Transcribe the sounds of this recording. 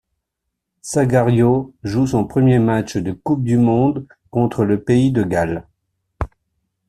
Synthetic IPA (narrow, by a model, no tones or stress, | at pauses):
saɡaʁjoʒusɔ̃pχəmjemat͡ʃd̪əkup̚d̪ymɔ̃d̪ | kɔ̃t̪χələpeid̪əɡal